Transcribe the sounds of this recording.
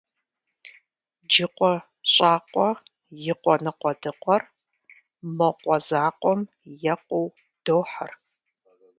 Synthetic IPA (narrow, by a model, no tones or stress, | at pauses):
d͡ʒɪqʷɔ | ɕʼaːqʷʼɔ | jɪqʷɔnɨqʷʼɔdɨqʷɔr | mɐqʷɔzaːqʷʼɔm | jɐqʷʼɔw | d̥owħa̰r